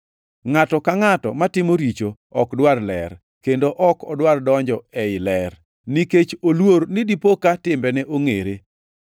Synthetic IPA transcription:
ŋatɔkaŋatɔ̰matɪmoɾit͡ʃo | ɔkdwarlɛ̰r | kendoʔɔkɔdwardɔɲd͡ʒɔɛɪlɛr | niket͡ʃolwoɾnɪdipokatɪmbɛnɛʔoŋeɾe

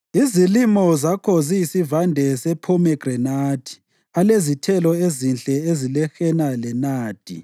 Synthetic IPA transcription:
izilimɔzakʰɔzijisivandʱɛsɛpʰɔmɛɡ̥rɛnaːd̥ʱi̥ | alezitʰɛlɔezint͡ɬʼɛezilɛxɛnalɛnaːd̥ʱḭ

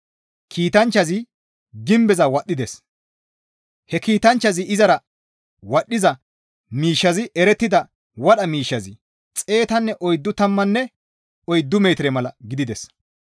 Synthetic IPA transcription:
kʰiːt̪ɐnt͡ʃːɐzɪ | ɡɪmbɛzɐwɐɗːɪd̪ɛs | hɛkiːt̪ɐnt͡ʃːɐzɪɪzɐɾɐ | wɐɗːɪzɐ | miːʃːɐzɪɛɾɛt̪ːɪd̪ɐ | wɐɗɐmiːʃːɐzɪ | t͡sʼe̞ːt̪ɐnːɛʔɔjd̪ːʊt̪ɐmːɐnːɛ | ɔjd̪ːʊme̞ːt̪ɪɾɛmɐlɐɡɪd̪ɪd̪ɛs

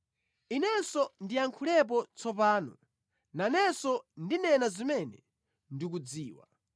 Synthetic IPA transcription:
inɛsɔndiaŋkʰulɛp̬ɔt͡sɔpaːnɔ̰ | nanɛsɔndinɛnazimɛnɛ | ndik̬ud͡ziːwa̰

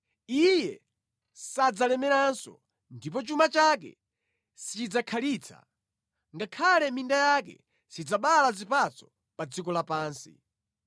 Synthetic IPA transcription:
ijɛ | sad͡zalɛmɛɾansɔ̰ | ndip̬ɔt͡ʃumat͡ʃak̬ɛ̰ | sit͡ʃid͡zakʰaliːt͡sʰa̰ | ŋɡakʰalɛmindajakɛ̰ | sid͡zaɓalazipat͡sɔ̥ | pad͡zikɔlapaːnsḭ

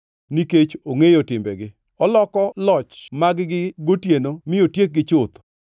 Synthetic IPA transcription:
niket͡ʃoŋejotɪmbɛɡɪ | ɔlɔkɔlɔt͡ʃmaɡɡɪɡotjenomɪjotjek̚ɡɪt͡ʃot̪

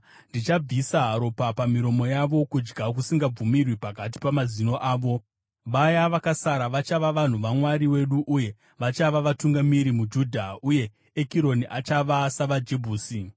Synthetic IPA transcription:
ndit͡ʃab͡visaɦaɾo̞papamiɾo̞mo̞jaʋo̞kud͡ʒɡakusiŋɡab͡vumirwipakat̬i̥pamazino̞ʔaːʋo̞ | ʋajaʋakasaɾaʋat͡ʃaʋaʋan̤uʋamwaɾiwe̞ɗuʔuje̞ | ʋat͡ʃaʋaʋatuŋɡamiɾimud͡ʒuːdʱauje̞ | ekiɾo̞niʔat͡ʃaʋasaʋad͡ʒebʱuːsi

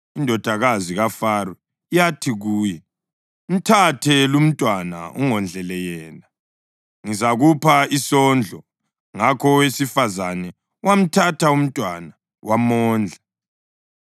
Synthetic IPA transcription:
indʱɔd̥ʱaɣaziɣafaɾɔ | jatʰiɣuːjɛ | m̩tʰatʰɛlum̩tʼwana̰uŋɔnd͡ɮʱɛlɛjɛːla | ŋizaɣupʰaisɔnd͡ɮʱɔ | ŋakʰɔwesifazanɛ | wam̩tʰatʰaum̩tʼwana | wʔamɔːnd͡ɮʱa

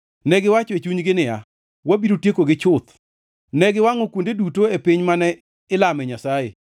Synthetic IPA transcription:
nɛɡɪwat͡ʃoet͡ʃuɲɡɪnɪja̰ | wabiɾotjekoɡɪt͡ʃʊt̪ | nɛɡɪwaŋokwondedutoepɪɲmanɛ | ɪlamɛɲasajḛ

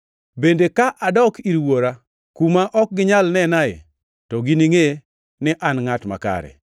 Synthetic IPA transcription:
bendekaʔadɔkiɾwoɾa | kumaʔɔk̚ɡɪɲalnɛnaɪ̰ | tɔɡiniŋe | nɪʔanŋatma̰ka̰ɾɛ̰

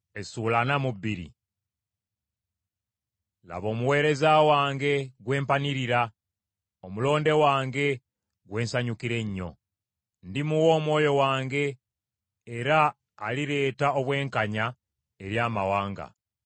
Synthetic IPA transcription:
e̞suːlanamubːiɾḭ | la̰βo̞ːmuwe̞ːɾe̞zawaːŋɡe̞ɡwe̞ːmpaniɾiɾa | omulo̞ːnde̞waːŋɡe̞ | ɡwe̞ːnsaɲukiɾe̞ɲːo̞̰ | ndimuwo̞ːmwo̞ːjo̞waːŋɡe̞ː | ɾaː | liɾe̞ːtao̞βwe̞ːŋkaɲa | e̞ɾjaːmawaːŋɡa̰

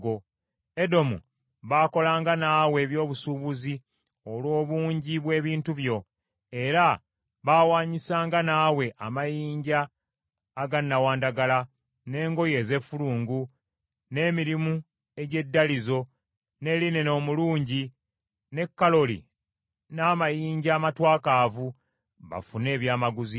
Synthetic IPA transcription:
ɡo̞ | e̞do̞mṵ | βaːko̞laːŋɡanaːwe̞ːβjo̞ːβusuβuzi | o̞lwo̞ːβuːɲɟiβwe̞ːβiːntuβjo̞ | e̞ɾa | βawaːɲisaːŋɡanaːwe̞ʔamajiːɲɟaː | ɡanːawaːndaɡala | ne̞ːŋɡo̞je̞ːze̞fuluːŋɡu | ne̞ːmiɾimu | e̞ɟe̞dːalizo̞ | ne̞line̞no̞ːmuluːɲɟi | ne̞kːalo̞lḭ | naːmajiːɲɟaːmatwaːkaːvu | βa̰fune̞ːβjaːmaɡuzi

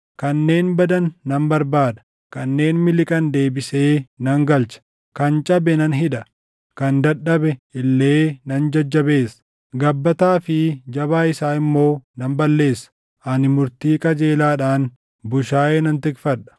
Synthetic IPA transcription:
kɐnːe̞ːnbɐd̪ɐnːɐmbɐɾbaːd̪ɐ̥ | kɐnːe̞ːnmɪlɪkʼɐnd̪e̞ːbɪse̞ːnɐŋɡɐlt͡ʃɐ̥ | kɐnt͡ʃʼɐbɛnɐnɦɪᶑɐ | kɐnd̪ɐᶑːɐbɛʔɪlːe̞ːnɐnd͡ʒɐd͡ʒːɐbe̞ːsɐ̥ | ɡɐbːɐt̪aːfɪd͡ʒɐβaːɪsaːɪmːo̞ːnɐmbɐlːe̞ːsːɐ̥ | ʔɐnɪmʊɾt̪iːkʼɐd͡ʒe̞ːlaːᶑaːn | bʊʃaːʔeːnɐnt̪ɪkfɐᶑɐ̥

